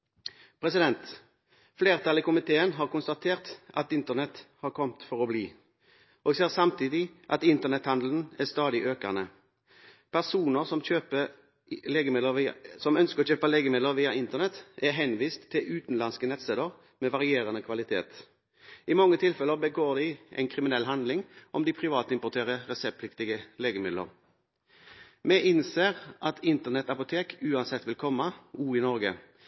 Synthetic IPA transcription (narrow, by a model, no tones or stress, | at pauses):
pʰʁɛsɪd̪ɛnt̪ | fleːʁt̪ʰɑlɪkʊmɪt̪ʰeːənɦɑːʁkʊnst̪ɑt̪ʰeːʁt̪ʔɑt̪ɪnt̪əʁnɛt̪hɑːʁkʰɔmt̪fɔʁɔbliː | ʔoːɡseːʁsɑmt̪ʰiːd̪ɪʔɑt̪ɪnt̪əʁnɛt̪hɑnd̪l̩n̩æst̪ɑːd̪ɪʔøːkənə | pʰæʁsuːnəʁsɔmçøːpə | leːɡəmɪəsɔmœnskəʁɔt͡ʃøːpəleːɡəmɪd̪ləʁʋiːɑɪnt̪əʁnɛt̪æʁɦɛnʋiːst̪ʰːɪlʔʉːt̪n̩lɑnskənɛt̪sɛːd̪əʁ | mɛʋɑʁɪeːʁɑnəkʰʋɑlɪt̪ʰḛːt̪ | ʔɪmɔŋːət̪ʰɪlfɛləʁbəɡoːʁd̪ɪʔɛ̰ɪnkʰʁɪmɪnɛlɦɑnd̪lɪŋʔɔmd̪ɪpʰʁɪʋɑːt̪əɪmpʊt̪ʰeːʁəʁɛsɛp̚pʰlɪkt̪ɪɡəleːɡəmɪd̪ə̰ʁ | mɛʔɪnseːʁʔɑt̪ʰɪnt̪əʁnɛt̪ɑpʊt̪ʰeːkʉːɑnsɛt̪ːʋɪlkʰɔmːɑuːɪnɔʁɡə̰